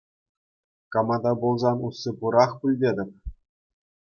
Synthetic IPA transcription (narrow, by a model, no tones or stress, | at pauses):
kɑmɑd̪ɑbolˠzɑnusːɤ̆pɤɾɑχpʲulʲdʲedʲɘ̆p̚ʲ